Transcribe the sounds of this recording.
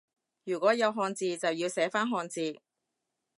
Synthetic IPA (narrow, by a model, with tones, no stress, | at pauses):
jyː˨˩kʷɔː˨˥jɐ˨˧wɦɔː˧nt͡siː˨t͡sɐ˨wjiː˧wsɛː˨˥faː˥nɦɔː˧nt͡siː˨˧